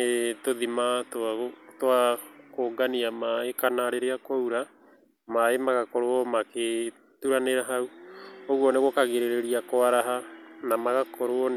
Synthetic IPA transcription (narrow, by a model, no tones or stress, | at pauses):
etoðimattwakoːɡaniamaekanaɾeɾeakwouɾa | maemaɣakɔɾoɔmake | tuɾaneɾaɦauoɣwɔneɣokaɣeɾeɾeɾiakoaɾaɦanamaɣakɔɾoɔn